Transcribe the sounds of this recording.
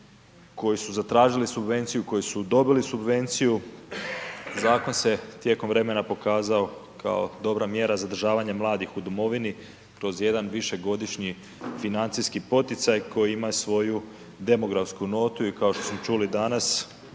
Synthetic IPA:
ko̞jisuzat̪ɾaːʒilisubʋe̞nt̪sijuko̞jisud̪o̞bilisubʋe̞nt̪siju | zaːko̞nse̞t̪je̞ko̞mʋɾe̞me̞napo̞kaːzao̞kʰa̰o̰d̪o̞bɾamje̞ɾazad̪ɾ̩ʒaːʋaɲamlˠaːd̪ixud̪omo̞ʋini | kɾo̞zje̞d̪anʋiʃe̞ɡo̞d̪iʃɲi | finant̪sijskipo̞t̪it̪sajkʰo̞jiimajusʋo̞ju | d̪e̞mo̞ɡɾafskuno̞ːt̪uikao̞ʃt̪o̞smot͡ʃulid̪anas

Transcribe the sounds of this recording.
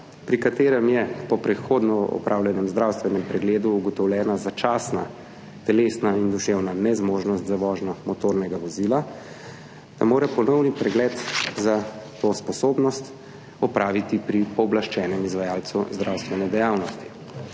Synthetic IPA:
pɾikat̪eːɾɛmjɛpɔpɾɛxod̪nɔɔ̰pɾʔaːwljɛnɛmzd̪ɾawst̪ʋɛnɛmpɾɛɡleːd̪uːɡɔt̪ɔwljɛːnazat͡ʃaːsna̰ | t̪ɛleːsnaind̪uʃewnanɛzmoʒnɔst̪zaʋɔːʒnɔmɔt̪oːɾnɛɡaʋɔzila | d̪̥a̰moːɾɛpɔnɔwnipɾɛɡlɛːt̪zat̪ospɔsoːbnɔst̪ | ɔpɾaːʋit̪ipɾipɔːblaʃt͡ʃɛːnɛmizʋajaːlt̪suzd̪ɾawst̪ʋɛnɛd̪ɛjaːwnɔst̪i̥

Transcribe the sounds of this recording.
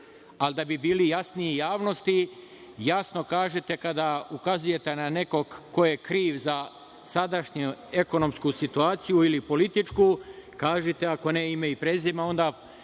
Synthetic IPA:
ald̪abibiːlijasniejaːʋno̞st̪i | jasno̞kaːʒet̪e̞kad̪aukazuje̞t̪e̞nane̞ko̞ɡkːo̞jekɾiːʋza | sad̪aʃɲue̞ko̞no̞mskusit̪uaːt̪sijuilipo̞lit̪it͡ʃkuːkaːʒet̪eako̞neimeipɾezimao̞nd̪aː

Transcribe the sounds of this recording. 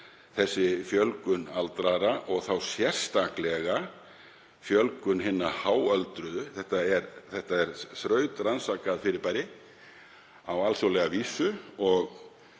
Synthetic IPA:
θɛsːɪfjœlkʏnalt̪ɾaɾaʔɔɣθawsjɛr̥st̪aklɛɣa | fjœlkʏnɦɪnːahaːwœlt̪ɾʏðʏθɛht̪aɛɾθɛht̪aɛɾ̥θɾœːɥt̪ɾansaːkaðfɪɾɪɾpajɾɪ | awalsowlɛɣaviːsʏɔɣ

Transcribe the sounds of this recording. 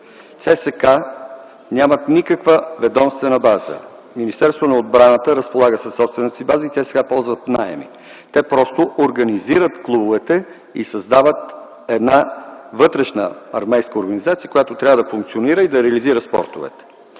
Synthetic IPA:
t̪sɛsɛka | nʲamət̪nikəkvəvɛd̪ɔmst̪vɛnəbazə̰ | minist̪ɛɾst̪vonɐod̪̚bɾanət̪əɾəspolˠaɡəsɐsːɔpst̪vɛnət̪əsibazəit̪sɛsɛ̥kapɔlˠzvət̪naɛ̰mḭ | t̪ɛpɾɔst̪oʔoɾɡɐniziɾət̪klˠubʊvɛt̪ɛ | ḭsɐzd̪avət̪ | ɛd̪navɤt̪ɾɛʃnə̰ɐɾmɛjskəoɾɡɐnizat̪sijə̥kojat̪ot̪ɾʲavəd̪ɐfuŋk̚t̪sioniɾəid̪ɐɾɛəliziɾəspɔ̰ɾt̪ovɛ̰t̪ɛ̥

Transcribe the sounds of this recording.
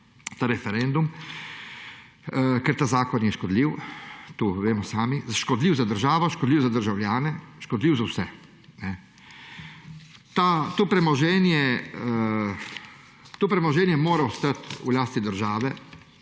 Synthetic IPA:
t̪aːɾɛfɛɾɛnd̪um | kɛɾt̪aːzaːkɔnjɛʃkɔd̪liːwt̪uːʋeːmɔsaːmizʃkɔd̪liːwzad̪əɾʒaːʋɔʃkɔd̪liːwzad̪əɾʒawljaːnɛʃkɔd̪liːwzawsɛ | nɛ | t̪at̪oːpɾɛmɔʒɛːnjɛ | t̪oːpɾɛmɔʒɛːnjɛmoːɾaust̪at̪ṵlaːst̪id̪əɾʒaːʋɛ

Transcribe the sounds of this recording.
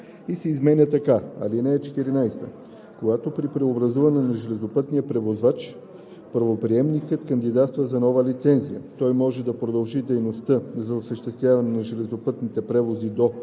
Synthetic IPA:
isɛizmɛnʲət̪ɐkaɐ̰linɛɛt͡ʃɛ̥t̪iɾinajst̪ə̰ | koɡat̪opɾipɾɛobɾɐzuvɐnɛnɐʒɛlɛzopɤt̪nijəpɾɛvozvat͡ʃ | pəɾvopɾiɛmnikət̪kɐnd̪id̪at̪st̪vəzɐnɔvəlit̪sɛnzijət̪ɔjmɔʒɛd̪ɐpɾod̪ɐlˠʒid̪ɛjnost̪əzɐosəʃt̪ɛst̪vʲjavɐnɛnɐʒɛlɛzopɤt̪nit̪ɛpɾɛvozid̪o

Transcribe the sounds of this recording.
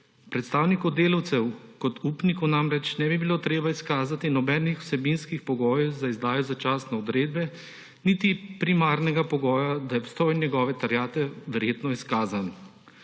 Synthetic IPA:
pɾɛt̪st̪aːwnikɔd̪eːlɐwt̪sɛwkɔt̪ʰuːpnikɔnamɾɛt͡ʃnɛbibiloːt̪ɾeːbaiskaːzat̪inɔbɛnixw̥sɛbinskixpɔɡɔːjɛzaizd̪aːjɔzat͡ʃaːsnɛɔd̪ɾeːd̪bɛ | nit̪ipɾimaːɾnɛɡapɔɡɔːjad̪ajɛpst̪oːjnjɛɡɔːʋɛt̪aɾjaːt̪ɛʋɛɾjeːt̪nɔiskaːzan

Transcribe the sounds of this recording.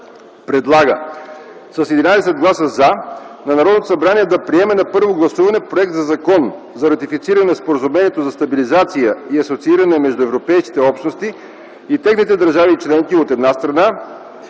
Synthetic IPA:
pɾɛd̪lˠaɡə | sɐsɛd̪inaj̪ɛsɛd̪̚ɡlˠasəzanɐnɐɾɔd̪not̪osɐbɾaniɛd̪ɐpɾiɛmɛnɐpɤɾvoɡlˠɐsuvɐnɛpɾoɛk̚t̪zɐzɐkɔn | zɐɾɐt̪ifit̪siɾɐnɛnspoɾəzumɛniɛt̪ozɐst̪ɐbilizat̪sijəiɐsot̪siiɾɐnɛmɛʒd̪ʊɛvɾopɛjskit̪ɛɔpʃt̪nost̪i | it̪ɛxnit̪ɛd̪ɐɾʒavit͡ʃlɛŋkiot̪ɛd̪nast̪ɾɐna

